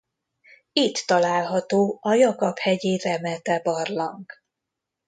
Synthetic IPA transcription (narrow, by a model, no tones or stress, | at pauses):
it̪ːɒlaːlɦɒt̪oːɒjɒkɒphɛɟeːzɛmɛt̪ɛbɒrlɒŋk